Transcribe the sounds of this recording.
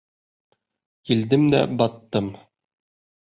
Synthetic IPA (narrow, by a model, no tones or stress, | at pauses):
kild̪ɘmd̪æ̰bɑt̪ːɤm